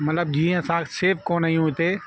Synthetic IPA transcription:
mɐt̪ləbd͡ʒiːãsãːkseɾfkoːnəĩɦũt̪eː

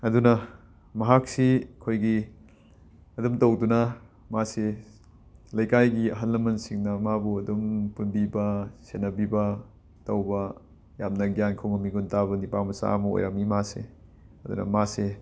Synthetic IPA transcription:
ɐdunɐ | mɐɦak̚sikʰojɡi | ɐdumtɐwdunɐ | mase | lɐjkajɡiɐɦɐlːɐmɐnsiŋnɐmabuɐdumpunbibɐsenɐbibɐ | tɐwbɐ | jamnɐɡijankʰoŋɐmiɡuntaβɐnipamɐsa̰mɐo̰jɾamimasḛɐdṵnɐ̰mase

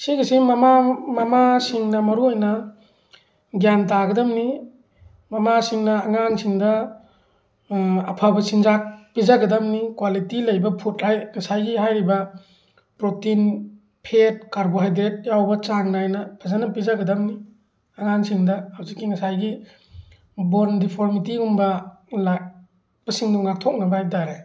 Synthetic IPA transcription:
siɡisimɐmamɐmasiŋnɐmɐɾuojnɐ | ɡjantaɡɐdɐmni | mɐmasiŋnɐːŋansiŋdɐ | ɐ̰pʰabɐsinzak̚pizaɡɐdɐmnikwalitilɐjbɐpʰutɾajŋɐsajɡiɦajɾibɐ | pɾotin | pʰet̚kaɾboɦajdɾet̚jawbɐt͡ʃaŋnajnɐpʰazanɐpizaɡɐdamni | aŋansiŋdɐhawzikːiŋɐsajɡi | bondipʰoɾmitiumbɐ | la | b̥ɐsiŋdɔŋak̚tʰɔk̚nɐbaajdaɾe

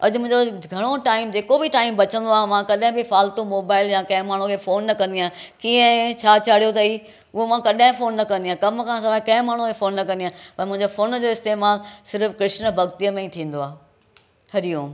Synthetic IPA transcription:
ɐʄmʊ̃ɦɪ̃ɲd͡ʑoɡʱɐɽ̃oʈaːɪmd͡ʑeːkobɪʈaːɪmbɐt͡ɕə̃nd̪oaːɦmãkɐɗɦɪ̃bɪfaːlt̪ũmoːbaːɪljãkɐ̃ɦɪ̃maːɳ̤ũkʰeːfoːnːɐkɐ̃nd̪iãːkiːə̃t͡ɕʰaːt͡ɕaːɽ̤ijot̪ɐi | ʊɦomãkɐɗɪ̃foːnːɐkɐ̃nd̪ijãːkɐmkʰãsɐʋakɐ̃ɦɪ̃maːɳ̤ukʰeːfoːnːɐkɐ̃nd̪ijãːpɐɾ̃mʊ̃ɦɪ̃ɲd͡ʑofoːnd͡ʑoːɪst̪eːmaːlsɪɾfkɾɪʃnə̆bʱɐɡt̪ijəmẽĩt̪ʰĩːn̆d̪oaːɦe | hɐɾijõː

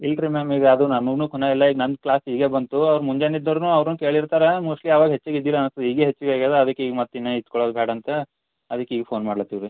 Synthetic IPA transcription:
ilʈɾimemiʋeɐd̪unɐmɐɡnuːkuneilːɐiːɡnɐnd̪klaːsiːɡe̞ːbɐnt̪uɐʋɾmuɲd͡ʒenid̪ːɐɾnuːɐʋɾnuːke̞ːɭiɾt̪aːɾemuːʂʈlijaːʋaːɡɐɦet͡ʃːiɡid̪ːilɐːnst̪ɐd̪iːɡeɦet͡ʃːʋiɡeːɡeːd̪ɾeɐd̪ɐkːeiːɡmɐt̪ːinːeit̪kɔɭoːd̪bʱɛːɽɐnt̪e | ɐd̪ɐkːeiːɡepʰo̞ːnmaːɽlɐt̪ːiʋɾi

